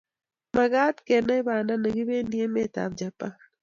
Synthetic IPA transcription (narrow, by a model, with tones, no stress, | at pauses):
ma˨ɡa˦t̪ke˨na˦ɪ˦ba˨nda˦na˨ɡɪ˦βe˦ni˦e˦me˦t̪a̰˨md͡ʒa˨pan